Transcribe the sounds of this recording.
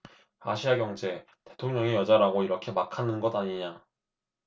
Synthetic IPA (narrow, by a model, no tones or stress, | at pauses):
aɕʰiaɡjʌŋd͡ʑe̞ | te̞tʰoŋɲʌŋejʌd͡ʑaɾaɡoiɾʌkʰe̞makʰanɯnɡʌdaɲiɲa